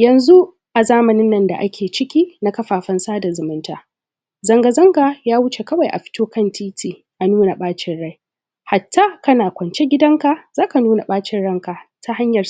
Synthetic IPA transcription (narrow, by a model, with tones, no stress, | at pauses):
jɐ˨nzu˦ | ʔa˨zaː˦mɐ˨nɪ˦nːɐ˨nda̰˨ʔa˦kʲʰeː˨t͡ʃɪ˦kʲiː˦na˦kɐ˦ɸaː˨ɸɐ˦nsaː˦da˨zʊ˨mʊ˦ntaː˨ | zɐ˨ŋɡa˨zɐ˦ŋɡaː˨jaː˦wʊ˦t͡ʃe˨kɐ˦wa˨jʔa̰˨ɸɪ̥˦toː˦kɐ˦˨ntʰiː˦tʰiː˨ | ʔa˨nuː˦na˨ɓaː˦t͡ʃɪ˦nɽa˦˨j | ha˨tːa˦kɐ˦naː˨kʷɔ˨nt͡ʃe˦ɡʲɪ˦dɐ˦ŋka˨zaː˦ka˨nuː˦na˨ɓaː˦t͡ʃɪ˦nɽɐ˦ŋka˨tʰa˦ha˦ɲjɐ˨